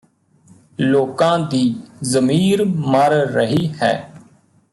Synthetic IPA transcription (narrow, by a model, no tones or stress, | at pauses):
loːkãːd̪iːzəmiːɾməɾːəɦiːhɛ̰ː